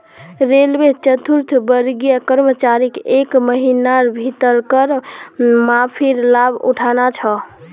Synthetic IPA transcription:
ɾelbet͡ʃət̪uɾt̪ʰbəɾɡijəkəɾmət͡ʃaɾikekməɦinaɾbʱit̪əɾkəɾ | mapʰiɾlabʱṵʈʰanat͡ʃʰə

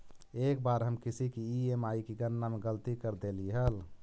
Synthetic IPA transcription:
ek̚baɾɦəmkisikiiemaikiɡənːameɡəlt̪ikəɾd̪eliɦəl

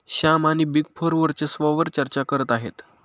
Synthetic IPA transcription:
ɕamaniːbiɡpʰoɾʋəɾt͡sesʋəʋəɾt͡ɕəɾt͡ɕakəɾət̪aɦet̪

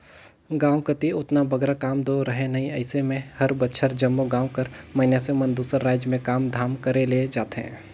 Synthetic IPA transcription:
ɡãːwkət̪iʊt̪nabɐɡɾakaːmd̪oɾəɦẽnɐɦĩɐɪsemẽhɐɾbətːʃʰəɾd͡ʒɐmːoɡãːwkəɾmɐɦɪnjasemɐnd̪uːsəɾːaːd͡ʒjmẽkaːmd̪ʱaːmkəɾeled͡ʒaːt̪eɦɛ̰̃ː

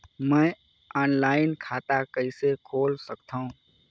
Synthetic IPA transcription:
mɛ̃ː | aːnlaːɪnkʰaːt̪akəɪsekʰoːlsəkt̪aːɦũː

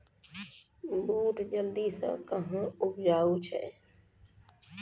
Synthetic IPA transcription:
buːʈd͡ʒəld̪isə̰̃kəɦə̃ʊpd͡ʒaːut͡ʃʰɛ̰

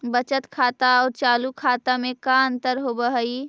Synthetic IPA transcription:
bət͡ʃət̪kʰaːt̪aɔːɾt͡ʃaːlukʰaːt̪amẽkaə̃nt̪əɾɦobəɦəi

